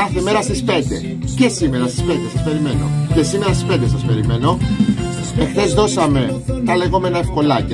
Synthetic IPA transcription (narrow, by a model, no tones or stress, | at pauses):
ɐθe̞me̞ɾɐst̪ispe̞nd̪e̞̰ | ce̞sime̞ɾɐst̪i̥spend̪esɐspe̞ɾime̞no̞̰ce̞sime̞ɾɐst̪i̥spe̞nd̪esɐspe̞ɾime̞no̞ | e̞xθe̞zðo̞sɐme̞ | t̪ɐle̞ɣo̞me̞nɐe̞fko̞lɐ